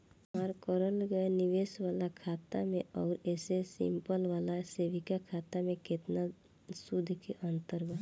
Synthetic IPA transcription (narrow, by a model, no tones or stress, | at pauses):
maːɾkɔɾəlɡəenɪʋeːsʋaːlakʰaːt̪a̰mẽɔːɾɛːsesɪ̰mpəlʋaːlaseːʋikakʰaːt̪amẽkɪt̪na | sud̪ʱkiʔə̃nt̪əɾba